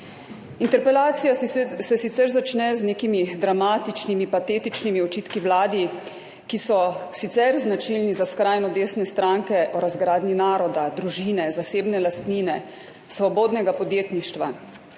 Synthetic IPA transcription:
int̪ɛɾpɛlaːt̪sijasɛsit̪sɛɾzat͡ʃnɛzneːkimid̪ɾamaːt̪it͡ʃnimipat̪eːt̪it͡ʃnimiɔt͡ʃiːt̪kiwlaːd̪i | kisɔsit̪sɛɾznat͡ʃilnizaskɾajnɔd̪eːsnɛst̪ɾaːŋkɛʔɔɾazɡɾaːd̪ninaːɾɔd̪ad̪ɾuʒiːnɛzaseːbnɛlast̪niːnɛ | sʋɔboːd̪nɛɡapɔd̪jeːt̪niʃt̪ʋa̰

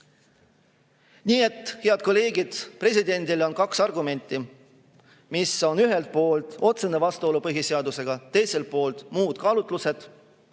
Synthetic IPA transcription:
niːe̞t̪ˑːhe̞ɑd̪̥̚ko̞lːe̞ːɡid̪̥pre̞s̬ʲid̪e̞nʲd̪̥ilo̞nkɑksɑrɡume̞nʲt̪ˑːi | miso̞nyɦe̞lt̪̚po̞ːlt̪ˑo̞t̪se̞nevɑst̪uo̞lupɤɦise̞ɑd̪use̞ɡ̥ɑt̪e̞jse̞lt̪̚po̞ːlt̪ˑmuːd̪̥kɑːlut̪ˑluse̞d̪̥

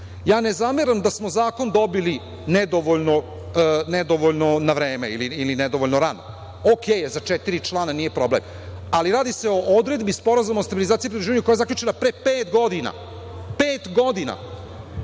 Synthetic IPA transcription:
jaːnezameɾamd̪asmo̞zaːko̞nd̪o̞bili | ned̪oʋoʎno | ned̪oʋoʎnonaʋɾeːmeiliilined̪o̞ʋoʎʲnoɾano̰ | okʰeːjzat͡ʃɛt̪iɾit͡ʃlˠaːnanije̞pɾo̞blḛm | aliɾaːd̪ise̞o̞ʔod̪ɾe̞d̪bispo̞ɾazumaost̪abilizaːt̪ipɾid̪oʒiʋaɲukojaezakʎʲut͡ʃenapɾepeːt̪ɡo̞d̪ina̰ | peːt̪ɡo̞d̪ina̰

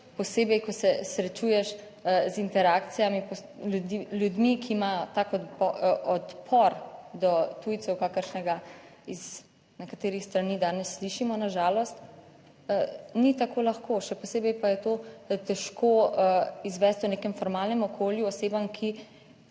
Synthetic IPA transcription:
pɔseːbɛjkɔsɛsɾɛt͡ʃujɛʃ | zint̪ɛɾakt̪sijamipɔ | uljud̪mikʰiːmajɔt̪akɔɔt̪pʰɔɾd̪ɔt̪ujt̪sɛwkakəɾʃnɛɡaiz̥ | nɛkat̪eːɾixst̪ɾanid̪aːnɛsːliʃimɔnaʒaːlɔst̪ː | nit̪akoːlaxkoʃɛpɔseːbɛjpajɛt̪ot̪ɛʃkʰo | izʋɛst̪unekɛmfɔɾmalnɛmɔkʰoːljuɔseːbamkʰi

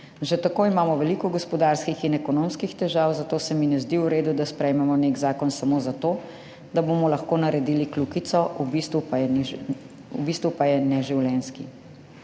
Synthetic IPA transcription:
ʒɛt̪akoːimaːmɔʋɛlikɔɡɔspɔd̪aɾskixinɛkɔnomskixt̪ɛʒawzat̪oːsɛminɛzd̪iuɾeːd̪ud̪aspɾɛjmɛmɔneɡzaːkɔnsamozat̪oː | d̪abomɔlɐxkoːnaɾɛd̪iːliklukit̪sɔʔubist̪ʋupajɛ | ubiːst̪ʋupajɛnɛʒiwljɛnski

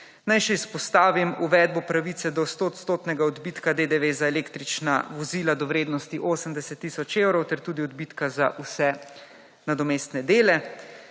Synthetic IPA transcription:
najʃɛispɔst̪aːʋimuʋɛːd̪̚bɔpɾaʋit̪sɛd̪ɔst̪oːt̪st̪oːt̪nɛɡaɔd̪biːt̪kad̪ed̪eʋezaɛleːkt̪ɾit͡ʃna̰ʋɔziːlad̪ɔwɾeːd̪nɔst̪iʔoːsəmd̪ɛsɛt̪ːisɔt͡ʃewɾɔwt̪ɛɾt̪uːd̪iɔd̪bit̪kazaʔusɛ | nad̪ɔmeːst̪nɛd̪eːlɛ

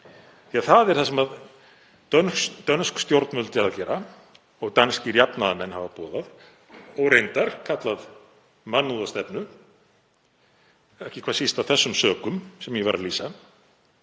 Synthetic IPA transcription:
θiaθaðɛɾ̥θasɛmað | œnt̪œnskst̪jowɾt̪nʏlt̪ɪaðcɛːɾa | ɔɣt̪anscɪɾjapnaðamɛnːhavapɔːðað | ɔwɾejnt̪aɾ̥kʰat̪lað | manːuðast̪ɛpnʏ | ɛhcɪkʰḁːsist̪awθɛsːʏmsœːkʏmsɛmjɛva̰ɾaliːsa

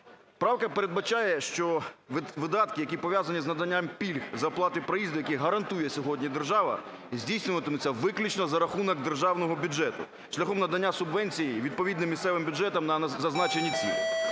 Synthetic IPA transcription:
pɾɑwkɐpeɾed̪̚bɐt͡ʃɑjɛʃt͡ʃɔʋɪd̪ɑt̪kɪjɐkʲipɔʋʲjazɐnʲiznɐd̪ɐnʲːampʲilʲxzɐrplˠɑt̪ɪpɾɔjizd̪ʊjɐkʲiɦɐɾɐnt̪ujɛsʲɔɦɔdʲnʲid̪erʒɑʋɐ̰ | zʲdʲijsʲnʲɪʋɐt̪ɪmʊt͡sʲːɐʋɪklʲut͡ʃnɔzɐɾɐxunɔɡ̚d̪erʒɑwnɔɦɔbʲʊd͡ʒɛt̪ʊ̰ | ʃlʲɐxɔmnɐd̪ɐnʲːasʊbʋɛnʲt͡sʲijiʋʲid̪̚pɔʋʲid̪nɪmʲːist̪ɛʋɪmbʲʊd͡ʒɛt̪ɐmnɐzɐznɑt͡ʃenʲːit͡sʲḭlʲˠ

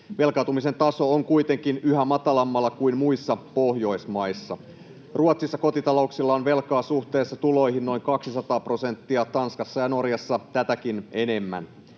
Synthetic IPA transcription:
ʋe̞lkɑˑt̪umise̞nt̪ɑso̞oŋkuit̪e̞ŋk̟inyɦæmɑt̪ɑlɑmːɑlːɑkuinmuisːɑpohjo̞jsmɑjsːɑ̰ | ruɑt̪sisːɑko̞t̪it̪ɑlo̞uksilːɑonʋe̞lkɑːsuht̪e̞ːsːɑt̪ulo̞jɦinno̞jŋkɑksisɑt̪ɑːpro̞se̞nt̪ːiɑt̪ɑnskɑsːɑjɑno̞rjɑsːɑt̪æt̪ækine̞ne̞mːæ̰n

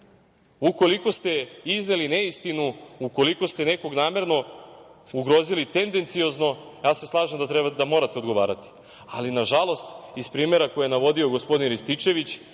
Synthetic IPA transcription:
uko̞liko̞st̪e̞iznelineist̪inuuko̞liko̞st̪e̞ne̞ko̞ɡnaːme̞ɾno̞ | uɡɾo̞ːzilit̪e̞nd̪e̞nt̪sio̞zno̞jaːse̞slˠaːʒemd̪at̪ɾed̪amo̞ɾat̪eo̞d̪ɡo̞ʋa̰ːɾat̪i̥ | a̰linaʒalˠo̞st̪ispɾiːme̞ɾakojeenaʋo̞d̪io̞ɡo̞spo̞d̪inɾist̪it͡ʃe̞ʋit͡ɕ

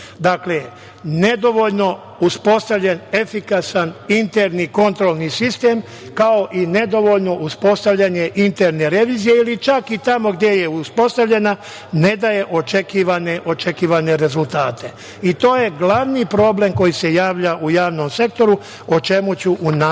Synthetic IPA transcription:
d̪akle | ne̞d̪oʋo̞ʎno̞ | uspo̞st̪aʋʎene̞fikasanint̪eɾniko̞nt̪ɾo̞lˠnisist̪e̞ːm | kao̞ʔine̞d̪o̞ʋo̞ʎno̞ʔuspo̞st̪aʋʎaɲe̞ʔint̪eɾne̞ɾe̞ʋiːzije̞ilit͡ʃakit̪amo̞ɡd̪ʲje̞je̞uspo̞st̪aʋʎe̞na | ne̞d̪aje̞ʔo̞t͡ʃekiːʋaneʔo̞t͡ʃekiːʋane̞ɾe̞zult̪aːt̪ʰe̞ | it̪o̞ːje̞ɡlaʋniːpɾo̞ble̞mko̞jise̞jaːʋʎaʔujaːʋno̞mse̞k̚t̪o̞ɾu | ot͡ʃe̞mut͡ɕuʔuna

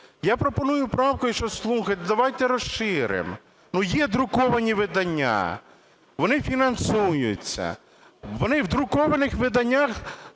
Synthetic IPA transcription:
japɾɔpɔnujʊpɾɑwkɔjʊʃt͡ʃɔslˠuxɐt̪ʲd̪ɐʋajt̪ɛɾɔʃʃɪɾɪ̰m | nujɛd̪ɾʊkɔʋɐnʲiʋɪd̪ɐnʲːa̰ | ʋɔnɪfʲinɐnsujʊ̰t͡sʲːɐ̰ | ʋɔnɪʋd̪ɾʊkɔʋɐnɪxʋɪd̪ɐnʲːax

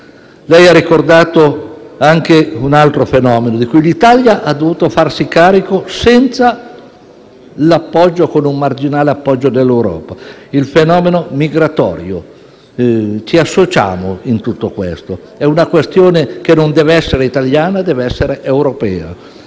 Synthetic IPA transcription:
lɛjarikord̪aːt̪oaŋkeunalt̪ɾofenɔːmenod̪ikujlit̪aljaʔad̪ːovuːt̪ofarsikaːɾikosɛnt̪sa | lapːɔd͡ʒːokonummard͡ʒinaːleapːɔd͡ʒːod̪elːewɾɔ̰ːpa | ilfenɔːmenomiɡɾat̪ɔ̰ːɾjo | t͡ʃiasːot͡ʃa̰ːmoint̪ut̪ːokwḛst̪o | ɛunakwest̪joːnekenond̪ɛːveɛsːeɾeit̪aljaːnad̪ɛːveɛsːeɾeʔewɾopɛ̰ːa̰

